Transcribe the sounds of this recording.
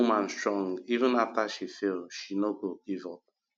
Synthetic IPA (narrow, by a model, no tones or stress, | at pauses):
mãn̩stɾɔŋivə̃nataʃifelʃinoɡoɡivɔp̚